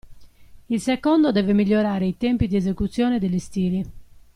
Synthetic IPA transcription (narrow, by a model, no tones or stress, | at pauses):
ilsɛkɔnd̪od̪ɛːvɛmiʎːoɾaːɾeit̪ɛmpid̪iɛzekut̪sːjɔːnɛd̪ɛlist̪iːli